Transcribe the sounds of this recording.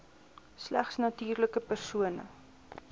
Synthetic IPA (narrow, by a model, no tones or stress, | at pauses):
slæ̰χsnɐtiːrləkəpərsuənə̰